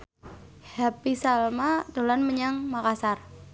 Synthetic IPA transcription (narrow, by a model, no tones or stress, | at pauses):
hapisalmad̪̥o̤lanməɲaŋmakasar